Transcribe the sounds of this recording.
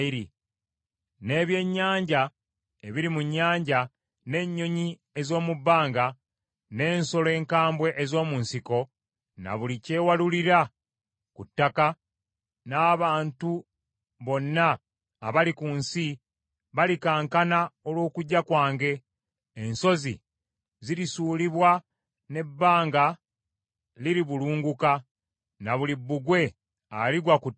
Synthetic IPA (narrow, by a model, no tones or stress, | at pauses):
iɾi | ne̞ːβje̞ɲːaːɲɟa | eβiɾimuɲːaːɲɟa | ne̞ɲːo̞ɲi | e̞zo̞ːmubːaːŋɡa | ne̞ːnso̞le̞ːŋkaːmbwe̞ʔezo̞ːmunsiko̞ | na̰βulice̞ːwaluliɾa | kutːaka | naːβaːntu | βo̞nːaː | βalikunsi | βalikaːŋkanaolwo̞ːkuɟːakwaːŋɡe̞ː | nso̞zḭ | ziɾisuːliβwa | ne̞bːaːŋɡa | liɾiβuluːŋɡuka | naβulibːuɡwe̞ | aliɡwaku